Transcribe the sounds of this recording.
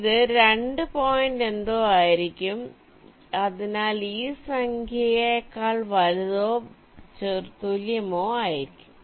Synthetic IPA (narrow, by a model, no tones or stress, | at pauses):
iðɨɾeɳɖɨpoːjinɖend̪oːaːjiɾikʲːum | ɐðinaːliːsɐŋkʰjɐjɐkːaːɭʋɐɻuðoː | t͡ɕert̪uljɐmoːaːjiɾikʲːu̥m